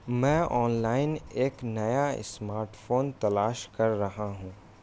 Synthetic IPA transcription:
mɛ̃ːʔɔːnlaːɪneːknɐjaɪ̰smaːɾʈfʰoːnt̪ɐlaːʃkɐɾːɐɦaɦũː

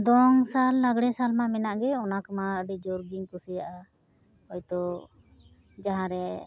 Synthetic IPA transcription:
d̪ɔŋsalːaɡɽɛsalmamɛnaʔɡɛɔnakəmaɖid͡ʒɔɾɡiŋkusijaʔa | ɔjt̪ɔ | d͡ʒaɦãɾɛ

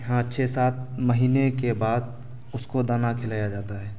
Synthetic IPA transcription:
ɦãt͡ʃʰeːsaːt̪̚məɦiːnekebaːd̪ | ʊskod̪aːnakʰɪlaːjad͡ʒaːt̪aɦɛː

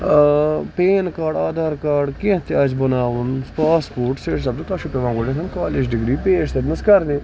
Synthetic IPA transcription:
peːnkaːɖaːd̪ʱaːɾkaːɖkẽt̪ɪjaːd͡ʒbənaːʋənpaːspoːɾʈseːʈsɐbd͡ʒ̪oːt̪aːʃʰupeːʋãːɡoːɖẽːsɐnkaːleːd͡ʒɖɪɡɾiːpeːʃt̪ənəskɐɾnẽː

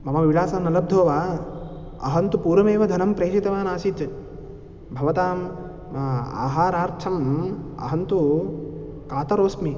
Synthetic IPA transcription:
mɐmɐʋiɭaːsɐnɐlɐb̚d̪ʱoːʋaː | ɐ̰ɦɐnt̪upuːɾɐmeːʋɐd̪ʱɐnɐmpɾeːʃit̪ɐʋaːnaːʃit͡ʃ̪ | bʱɐʋɐt̪aːm | a̰ːɦaːɾaːɾt͡ʃʰɐmɐ̰ɦɐnt̪u | kaːt̪ɐɾoːsmi

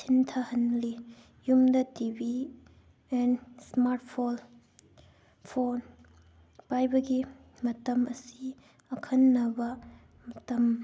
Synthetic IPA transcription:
sʰintʰɐhɐnli | jumdɐtibi | ensmaɾtpʰol | pʰon | pajbɐɡimɐtɐmɐsi | ɐkʰɐnːɐbɐ | mɐtɐm

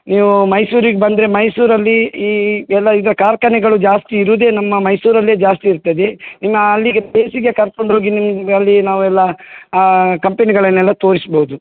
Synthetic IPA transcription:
niːʋumɐjsuːɾiɡebɐnd̪ɾe̞mɐjsuːɾɐlːiː | ɛlːɐid̪ɐɾɐkaːɾkɐnɛɡɐɭud͡ʒaːst̪iːɾuːd̪e̞ːnɐmːɐmɐjsuːɾɐlːeːd͡ʒaːst̪iːɾt̪ɐd̪enimːɐːlːiɡɐd̪eːsiɡekɐɾko̞ɳɖɦoːɡinimɡɐlːinaːʋuɛlːɐ | kɐmpeniɡɐɭɐnːɛlːɐt̪o̞ːɾisbɐɦud̪u

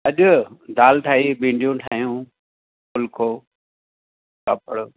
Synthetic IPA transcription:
ɐʄʊd̪aːlʈʰaːɦibĩːɳɖijũʈʰaːɦijũ | ʊlkʰoː | kɐpəɽ

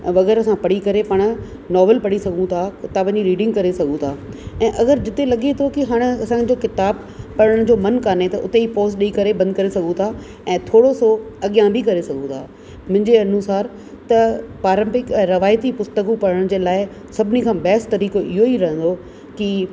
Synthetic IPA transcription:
ʋɐɣɛːɾɐsãpɐɽikɐɾepɐɽ̃̆ | nɔːʋəlpɐɽisɐɡʱũt̪ʰakɪt̪aːbnd͡ʑiɾiːɖɪ̃ŋɡkɐɾesɐɡʱũt̪ʰaːɛ̃ːʔɐɣəɾd͡ʑɪt̪elɐɠet̪ʰokiɦaːɽ̃ɐsãd͡ʑokɪt̪aːb̚ | pɐɽəɽ̃d͡ʑoːmɐnkaːnet̪ɐʔʊt̪eipoːsɗiikɐɾebɐ̃nd̪kɐɾesɐɡʱũt̪ʰa | ɛ̃ːt̪ʰoːɽosoɐɠijãbʱikɐɾesɐɡʱũt̪ʰaː | mʊ̃ɦɪ̃ɲd͡ʑeɐnuːsaːɾ | t̪ɐpaːɾə̃mpɪkɛ̃ːɾɐʋaːjt̪ipʊst̪əkupɐɽəɽ̃d͡ʑeːlaːɪ | sɐbʱɪnikʰãːbɛːst̪ɐɾiːkoʔɪɦoiɾɐɦə̃nd̪o | ki

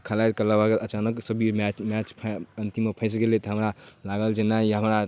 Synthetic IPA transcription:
kʰəlajt̪kəlabaɡəət͡ʃanəksəbʱimat͡ʃmat͡ʃpʰənt̪iməpʰə̃ɪs̬ɡelet̪ɦəmɾalaɡəld͡ʒenaɦəmɾa

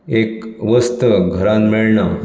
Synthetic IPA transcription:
ekʋəst̪əɡʱəɾãnmiɭɳa

